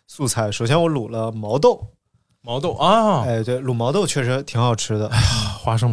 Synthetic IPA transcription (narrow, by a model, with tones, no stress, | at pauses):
su˥˧t͡sʰa˧˩ɪʂo˨˩ʊɕ̬jɛ˥nwɔ˧˥lu˨˩lə˦mɑ˧˥ʊt̪o˥˩ʊ | mɑ˧˥ʊt̪o˥˩ʊʔa˥e˥˩ɪt̪we˥˩ɪlu˨˩mɑ˧˥ʊt̪o˥˧ʊt͡ɕʰɥɛ˥˩ʂ̬ɻ̩˧˥t̪ʰi˧˥ŋxɑ˨˩ʊʈ͡ʂʰɻ̩˥d̪ə˧˥xwa˥ʂ̬ɤ˥ŋ